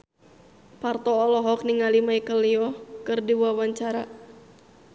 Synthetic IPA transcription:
part̪ɔːlɔɦɔk̚niŋalimaikəliɔkɨrdiwuawaɲt͡ʃaɾa

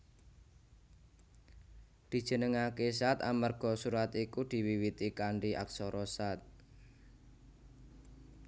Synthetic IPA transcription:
d̪̥i̤d̥ʒ̥ə̤nəŋakesat̪a̰mərɡ̥ɔ̤suɾat̪ikud̪̥i̤wiwit̪ikaɳɖiʔa̰ksɔɾɔsat̪̚

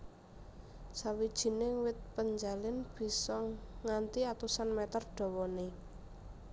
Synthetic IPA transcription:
sawid̥ʒ̥i̤newɪt̪̚pəɲd͡ʒalɪnb̥i̤sɔŋːant̪iat̪usanmɛt̪ərɖ̥ɔ̤wɔne

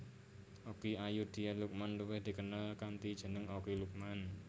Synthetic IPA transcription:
ʔokiajud̪̥i̤aluk̚manluwɪhd̪̥i̤kənalkant̪id̥ʒ̥ə̤nəŋokiluk̚man

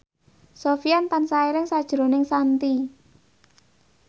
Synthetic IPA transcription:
sofiant̪ansaiɾɪŋsad̥ʒ̥ɾo̤nɪŋsant̪i

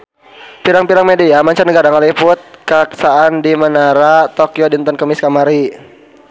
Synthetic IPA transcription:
piɾaŋpiɾaŋmediamaɲt͡ʃarnəɡaɾaŋalipʊt̪̚kaksaːndimənaɾat̪okiodint̪ɔnkəmiskamaɾi

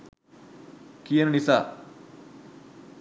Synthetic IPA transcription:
kijɐnɐnisaː

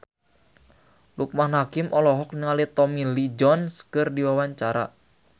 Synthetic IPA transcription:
luk̚mahnakɪmʔɔlɔɦɔk̚niŋalit̪ɔmilid͡ʒɔnskɨrdiwawaɲt͡ʃaɾa̰

